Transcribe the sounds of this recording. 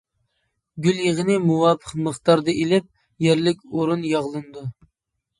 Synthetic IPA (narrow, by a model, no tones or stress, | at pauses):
ɡʲyljeʁənɪmuwɑːpʰəqməχt̪ɑɾd̪ɨʔelɪp̚ | jɛɾlɪkʲoɾunjɑʁlˠɨnɨd̪u